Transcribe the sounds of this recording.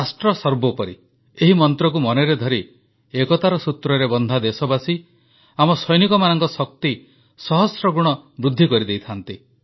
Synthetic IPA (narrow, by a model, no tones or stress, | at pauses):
asʈɾɔsɔɾbɔpɔɾi | eɦimɔnt̪ɾɔk̬umɔneɾed̪ʱɔɾi | ekɔt̪aɾɔsut̪ɾɔɾebɔnd̪ʱad̪esɔbasi | amɔsɔjnikɔmanɔŋkɔsɔk̚t̪i | sɔɦɔsɾɔɡuɽ̃ɔbɾud̪ʱːikɔɾid̪ejt̪ʰant̪i